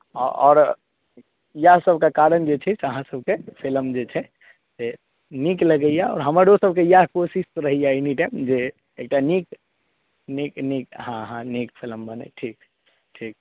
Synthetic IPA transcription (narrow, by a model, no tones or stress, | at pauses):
ɔɔ̰ːɾ | jasəbʱkakaɾənd͡ʒet͡ʃʰɛseəɦãsəb̚ʱkepʰilmd͡ʒet͡ʃʰɛ | se | nikləɡəjaɔ̰ːɾɦəməɾosəb̚ʱkejaɦkosisɾəɦijainiʈaɪmd͡ʒe | ek̚ʈanik | niknikɦãɦãnikpʰiləmbənḛʈʰiːk | ʈʰiːk̚